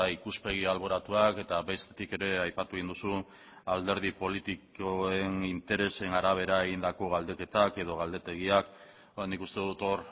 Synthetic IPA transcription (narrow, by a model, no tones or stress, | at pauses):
ikuspe̞ɣ̞ialβo̞ɾat̪uake̞t̪aβe̞st̪et̪ike̞ɾe̞ajpat̪uind̪usu | ald̪e̞ɾð̞ipo̞lit̪ikoe̞nint̪e̞ɾe̞se̞naɾaβ̞e̞ɾae̞ɣind̪ako̞ɣald̪e̞ke̞t̪ake̞ð̞o̞ɣ̞ald̪e̞t̪e̞ɣ̞iak | nikust̪e̞ðut̪o̞ɾ